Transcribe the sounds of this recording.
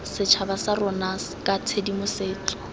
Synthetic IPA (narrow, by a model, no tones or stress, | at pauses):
sɪt͡ʃʰabasarɔnas | kʼatʰedimʊseːt͡ɬʼɔ̥